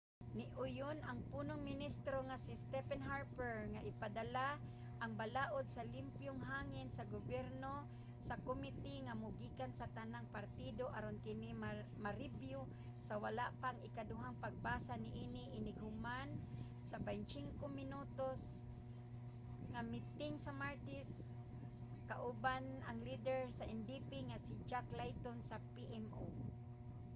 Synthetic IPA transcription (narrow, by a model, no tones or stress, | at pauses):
nɪʔʊjʊnaŋpuːnoŋmɪnist̪ɾoŋasɪst̪ɛfɛnɦaɾpɛɹŋaʔɪpad̪ala | ʔɐŋbalaːʔod̪̚salimpjʊŋɦaːŋɪnsɐɡʊbjɛɾno | sakomɪt̪ɪŋamʊɡiːkansat̪anaŋpaɾt̪id̪oʔaɾonkɪnɪm | maɾɪbjʊ | sawalaʔpaŋɪkadʊɦaŋpaɡ̚baːsanɪʔiniʔɪnɪɡhʊman | sabajnt͡ʃɪŋkomɪnut̪os | ŋamɪt̪ɪŋsamaɾt̪ɪs | kaʔʊbanʔaŋlid̪ɛɹsaʔɛndipiŋasid͡ʒaklajt̪onsapiʔɛmʔo̰